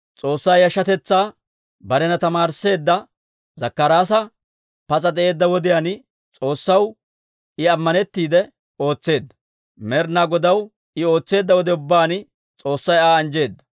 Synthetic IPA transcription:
t͡sʼo̞ːsːɐjɐʃːɐt̪ɛt͡sːaː | bɐɾɛnɐt̪ɐmaːɾse̞ːd̪ːɐ | zɐkːɐɾaːs̬ɐ | pɐt͡sʼɐd̪ɛʔe̞ːd̪ːɐwɔd̪ɪjan | t͡sʼo̞ːsːɐw | ɪɐmːɐnɛt̪ːiːd̪ɛ | o̞ːt͡sːe̞ːd̪ːɐ̥ | mɛɾnaːɡɔd̪ɐw | ɪo̞ːt͡sːe̞ːd̪ːɐwɔd̪ɛʊbːaːn | t͡sʼo̞ːsːɐjaːɐnd͡ʒe̞ːd̪ːɐ̥

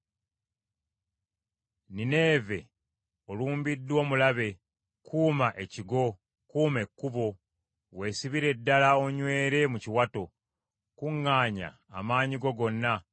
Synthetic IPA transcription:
nine̞ːve̞ | oluːmbidːwo̞ːmulaβe̞ | kʰuːmaʔe̞ciɡo̞ | kuːme̞kːuβo̞ | we̞ːsiβiɾe̞dːalao̞ɲwe̞ːɾe̞muciwato̞ | kuŋːaːɲa̰ːmaːɲiɡo̞ɡo̞nːa

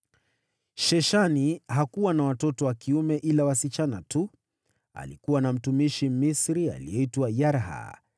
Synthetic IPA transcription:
ʃɛʃaniɦakuwanawatɔtɔwakiumɛʔilawasit͡ʃanatu | a̰likuwanam̩tumiʃimisɾia̰lḭɛitwajaɾɦa̰

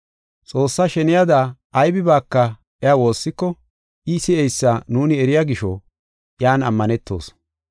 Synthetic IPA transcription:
t͡sʼo̞ːsːaʃɛnɪjad̪aː | jbɪbaːkːɐ | ʔɛawo̞ːsːɪkːɔ | ʔɪsɪɛjsːanuːnɪɛɾɪjaɡɪʃɔ̰ | jaːnɐmːɐnɛt̪ːo̞̰ːs

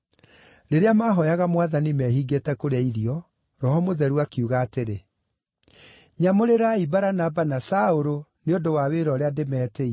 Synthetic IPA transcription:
ɾeɾeamaɦɔjaɣamwaðanimɛɦiɡetɛkoɾeaiɾiɔ | ɾɔhɔmoðɛɾuakiuɣaːteɾe | ɲamoɾeɾaibaɾanabanasaoɾoneondowaweɾɔɾeademɛːtei

